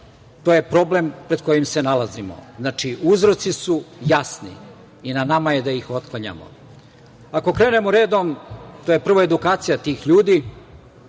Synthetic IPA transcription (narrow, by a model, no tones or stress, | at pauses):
t̪oje̞pɾo̞blempɾe̞d̪ko̞jimse̞nalazimo̞̰znat͡ʂiʔuzɾo̞t̪sisujasnḭː | nanamaje̞d̪aixo̞t̪̚klˠaɲa̰mo̞̰ | ako̞kɾe̞ːne̞moɾe̞ːd̪omt̪oje̞pr̩ʋoed̪ukaːt̪sijat̪iːxʎuːd̪i